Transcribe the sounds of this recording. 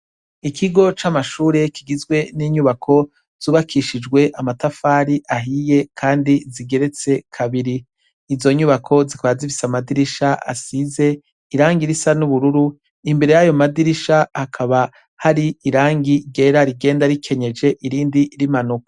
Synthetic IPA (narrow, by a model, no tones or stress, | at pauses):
ikʰiɡo̞t͡ʃamaʃuːɾe̞kiɡizɡwe̞niːɲuβakʰo̞ | z̥uːβakʰiʃid͡ʒɡwe̞ʔamatafaːɾiʔaɦije̞kʰaːndiziɡe̞ɾe̞t͡se̞kʰaβiɾiː | zo̞ɲuβakʰo̞zikaβazifisamadiɾiʃaa̰size̞ | iɾaːŋɡiɾisanuβuɾuɾu | imbe̞ɾe̞jajo̞madiɾiʃahakʰaβa | haɾiiɾaːŋɡiɡe̞ːɾaɾiɡe̞ːndaɾikʰe̞ɲe̞d͡ʒe̞ʔiɾiːndiɾimanukḁ